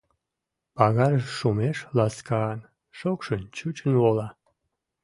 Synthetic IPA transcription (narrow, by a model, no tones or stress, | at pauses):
pɑɣɑɾəʃʃumeʃlɑskɑɑn | ʃokʃənt͡ɕut͡ɕənwolɑ